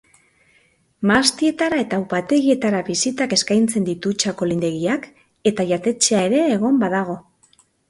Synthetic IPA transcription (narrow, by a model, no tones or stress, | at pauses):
mast̪ie̞t̪aɾae̞t̪aupat̪e̞ɣie̞t̪aɾaβisit̪ake̞skajnt͡se̞nd̪it̪ut͡ʃako̞lind̪eɣiak | e̞t̪aʝat̪e̞t͡ʃe̞ae̞ɾe̞ːɣ̞o̞mbaðaɣ̞o̞